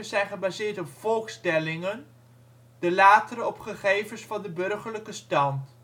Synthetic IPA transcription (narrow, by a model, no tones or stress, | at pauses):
əzɛjnχəbaːzɪːɹtɔpfɔlˠχstɛlɪŋən | d̥əlaːtəɾəɔpχəχejvənsfɑndəbɵrχəɹləkəstɑnt